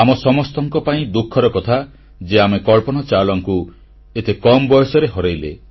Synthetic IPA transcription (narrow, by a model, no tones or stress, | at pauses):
amɔsɔmɔst̪ɔŋkɔpaĩd̪ukʰːɔɾɔkɔt̪ʰa | d͡ʒeamekɔɭpɔnɔt͡ʃalɔŋku | et̪ʰekɔmbɔjɔsɔɾeɦɔɾajlḛ